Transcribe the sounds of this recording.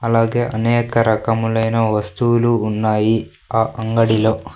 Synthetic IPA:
ɐlaːɡe̞ːʔɐnɛːkɐɾɐkɐmulɐjnɐʋɐst̪uwuluːnːaːji | aːʔɐŋɡɐɽiloː

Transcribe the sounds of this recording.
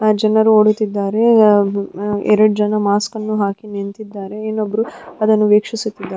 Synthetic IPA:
d͡ʒɐnɐɾuoːɽut̪id̪ːaːɾe̞ | ɛ̰ɾɐɽud͡ʒɐnɐmaːskɐnːuɦaːkinent̪id̪ːaːɾe̞eːnːobːɐɾuɐd̪ɐnːuʋeːkʂisut̪ːid̪ːaː

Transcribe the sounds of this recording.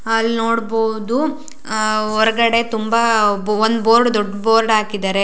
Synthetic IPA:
ɐlːnoːɽbowd̪u | ɔɾɐɡɐɽe̞t̪umbaond̪boːɾɖd̪ɔɖːboːɾɖaːkid̪aːɾe̞

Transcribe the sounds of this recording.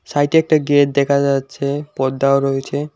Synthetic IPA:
sajʈiɛk̚ʈaɡeʈ̚d̪ɛkʰad͡ʑatːɕʰepɔd̪ːaoɾoet͡ɕʰe

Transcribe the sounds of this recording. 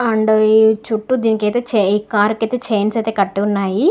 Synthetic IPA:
ɐɳɖoit͡ʃuʈːud̪iːnikɐjt̪eːt͡ʃeiːkaːɾukɐjt̪eːt͡ʃeːnsɐjt̪eːkɐʈːuunːaːji

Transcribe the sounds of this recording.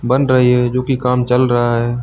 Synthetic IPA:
bənɖɾəɦiɦɛːd͡ʒoːkikaːmt͡ʃəlɾəɦaɦɛː

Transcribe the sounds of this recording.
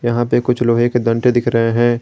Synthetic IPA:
jɐɦãpekʊt͡ʃʰloːɦeked̪ɐ̃ɳʈed̪ɪkʰɾɐɦeɦɛ̃ː

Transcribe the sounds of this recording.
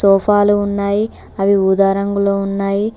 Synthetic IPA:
sɔːpʰaːluːnːaːji | ɐʋiud̪aːɾɐŋɡuloːunːaːji

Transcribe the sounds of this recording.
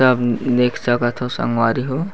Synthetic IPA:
əbneːkd͡ʒaɡət̪ʰosə̰ŋɡwaːɾiɦo

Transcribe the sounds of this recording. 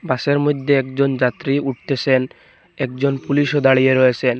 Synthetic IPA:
baʃeɾmojd̪ʱːeɛkd͡ʑond͡ʑat̪ːɾiuʈ̚t̪et͡ɕʰen | ɛk̚d͡ʑonpuliʃod̪aɭijeɾɔjet͡ɕʰen

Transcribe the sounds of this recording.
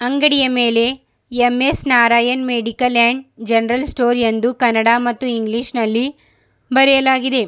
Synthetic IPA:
ɐŋɡɐɽijɐme̞ːle̞ | emːesnaːɾaːjɐnmeːɖikɐlaːɳɖd͡ʒɐnɐɾɐlsʈoːɾend̪ukɐnɐɽaːmɐt̪ːuiŋɡliʃnɐlːi | bɐɾɛjɐlaːɡid̪e̞

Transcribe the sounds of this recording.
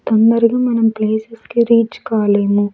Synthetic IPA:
t̪ɐnd̪ɐɾiɡimɐnɐmpleːsɐskiɾiːt͡ʃkaːleːmu

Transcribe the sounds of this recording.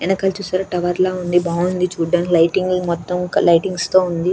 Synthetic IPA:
ɛnɐkɐːlt͡ʃuːsaːɾɐʈɐʋɐɾlaːund̪ibaːund̪it͡ʃuːɖɐnlɐjʈiŋɡlmɔt̪ːɐmklɐjʈiŋɡst̪o̞ːund̪i

